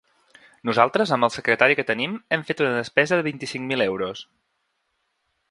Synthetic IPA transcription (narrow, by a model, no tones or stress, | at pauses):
nuzalˠt̪ɾəzəmbəlˠsəkɾət̪aɾikət̪ənimɛɱfet̪unəðəspɛzəðəβint̪isiŋmilɛwɾus